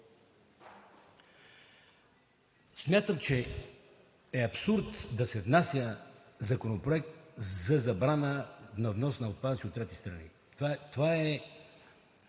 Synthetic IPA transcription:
smʲjat̪əmt͡ʃɛ | ɛɐpsuɾt̪d̪ɐsɛvnasʲjə | zɐkonopɾoɛk̚t̪zɐzɐbɾanənɐvnɔsnɐot̪̚pad̪əsiot̪ːɾɛt̪ist̪ɾɐnḭ | t̪at̪ovaɛ

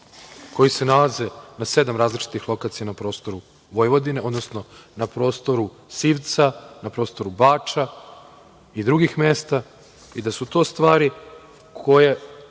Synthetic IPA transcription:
ko̞jise̞nalaze̞nase̞d̪amɾaːzlit͡ʃi̥t̪ixlˠo̞kat̪sijanapɾo̞ːst̪o̞ɾu | ʋo̞jʋo̞d̪ineo̞d̪nosno̞napɾo̞ːst̪o̞ɾu | siːʋt̪sanapɾo̞ːst̪o̞ɾubaːt͡ʂa | id̪ɾuɡixmest̪a | id̪asut̪o̞ːst̪ʋaːɾi | kʰo̞je

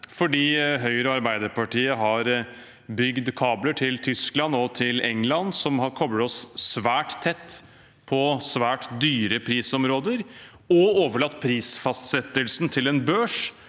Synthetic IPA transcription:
fɔɖiːɦœʏɾəɑɾbæɪd̪əɾpʰɑʈʰiːəɦɑɾ | bʏɡd̪kʰɑːbləʈʰɪlt̪ʰʏsklɑnɔt̪ʰɪlɛŋlɑnsɔmhɑɾkʰɔbɽəɔsːʋæːʈt̪ʰːɛt̪ː | pʰɔsʋæːʈd̪yːɾəpʰɾiːsɔmɾoːd̪əɾ | ɔoːʋəɭɑt̪ːpʰɾiːsfɑst̪sɛt̪ːəlsnt̪ʰɪlɛnbøːʂ

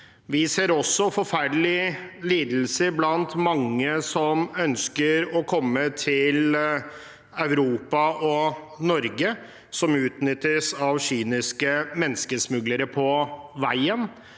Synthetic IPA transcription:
ʋɪseːɾɔsːɔfɔɾfæɖəlɪliːd̪l̩səɾblɑnt̪mɑŋːəsɔmœnskəɾɔkʰɔmːət̪ʰɪl | ɑʉɾuːpɑʔɔ | nɔɾɡə | sɔmʉːt̪nʏt̪ːəsɑʋɕyːnɪskəmɛnːskəsmʉɡləɾəpʰɔʋæɪən

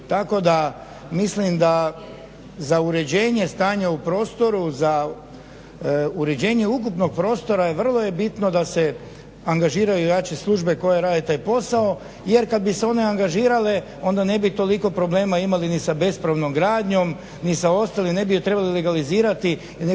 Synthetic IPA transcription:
t̪ako̞d̪a | mislimd̪a | zauɾe̞d͡ʑeːɲe̞st̪aːɲaupɾo̞ːst̪o̞ɾuza | uɾe̞d͡ʑe̞ːɲe̞ukupno̞ɡ̚pɾo̞ːst̪o̞ɾajeʋr̩lˠo̞je̞bit̪nod̪ase̞ | aŋɡaʒiːɾajuujat͡ʃeslˠuʒbe̞ko̞jeɾaːd̪et̪aːjpo̞sao̞ | jeɾkad̪̚biseo̞ne̞aŋɡaʒiːɾale | o̞nd̪ane̞bit̪o̞liko̞pɾo̞ble̞ːmaimalinisabe̞spɾaʋnomɡɾaːd̪ɲo̞m | nisao̞st̪alimne̞bijot̪ɾe̞balile̞ɡaliziːɾat̪i | n

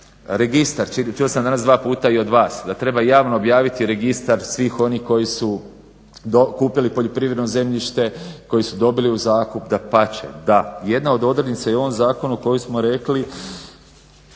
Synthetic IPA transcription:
ɾeɡist̪aɾt͡ʃit͡ʃuosamd̪anasd̪ʋaːpuːt̪aio̞d̪ʋaːsd̪at̪ɾe̞bajaːʋnoːbjaːʋit̪iɾe̞ɡist̪aɾsʋiːxo̞nihko̞jisu | d̪okuːpilipoʎo̞pɾiːʋɾe̞d̪noze̞mʎiʃt̪e̞ko̞jisud̪o̞biliuzaːkupd̪apat͡ʃḛd̪aje̞d̪nao̞d̪o̞d̪ɾd̪nit̪sajeo̞ʋo̞mzaːko̞nuko̞jusmoɾe̞kli

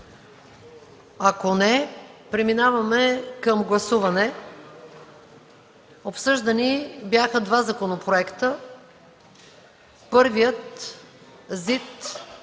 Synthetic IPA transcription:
akonɛpɾɛminavɐmɛkəmɡlˠɐsuvɐnɛ | opsɤʒd̪ɐnibjaxəd̪vazɐkonopɾoɛkt̪ə | pɤɾvijət̪ | zit̪

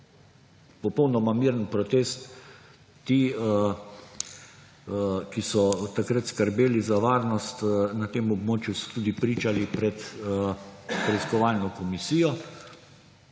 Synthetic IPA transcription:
pɔpɔwnɔmamiːɾənpɾɔt̪eːst̪ː | iː | kisɔt̪akɾət̪skəɾbeːlizaʋaːɾnɔst̪nat̪eːmɔbmoːt͡ʃjusɔ̥t̪uːd̪ipɾiːt͡ʃalipɾɛt̪ | pɾɛiskɔʋaːlnɔkɔmisiːjɔ

